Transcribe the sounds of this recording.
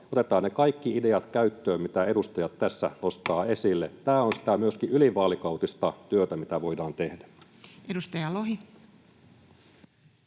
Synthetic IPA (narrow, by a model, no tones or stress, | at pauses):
ot̪et̪ˑɑːnnekɑikːiide̞ɑt̪kæyt̪ːøːmmit̪æedust̪ɑjɑt̪tæsːæ̰nost̪ɑːesilːet̪æːonsi̥t̪æmyøskiʔyliʋɑːlikɑut̪ist̪ɑt̪yøt̪æmit̪æʋo̞idɑːnt̪e̞hdæ | edust̪ɑjɑloɦi